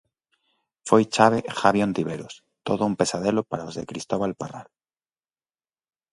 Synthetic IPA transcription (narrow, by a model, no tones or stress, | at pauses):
fojt͡ʃaβ̞exaβjont̪iβeɾus | t̪oðoumpesaðelopaɾaozðḛkɾist̪oβalparal